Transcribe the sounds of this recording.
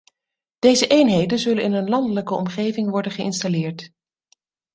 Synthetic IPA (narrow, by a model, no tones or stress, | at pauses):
d̥ejzəʔejnɦejdənzɵlənɪnənlɑndələkəɔ̰mχejvɪŋʋɔɹdənχəʔɪ̰nstalɪːɹt